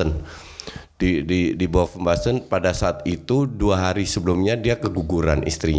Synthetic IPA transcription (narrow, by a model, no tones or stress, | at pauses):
ən | dididibɔwafəmbasənpadasaːt̪it̪uduaɦaɾisəbəlumɲadiakəɡuɡuɾa̰nʔḭst̪ɾiɲ